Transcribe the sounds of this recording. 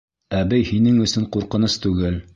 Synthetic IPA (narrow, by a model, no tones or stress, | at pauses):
æbɘjhinɘŋɵ̆sɵɴquɾqɤ̆nɤst̪ʉɡɘl